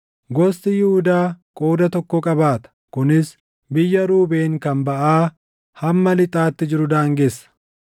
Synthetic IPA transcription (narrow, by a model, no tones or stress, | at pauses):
ɡɔst̪ɪjɪhʊd̪aːkʼo̞ːd̪ɐt̪ɔkːɔkʼɐbaːt̪ɐ̥kʊnɪs | bɪjːɐɾuːbeːŋkɐmbɐʔaː | hɐmːɐlɪt̪ʼaːt̪ːɪd͡ʒɪɾʊd̪aːŋɡesːɐ̥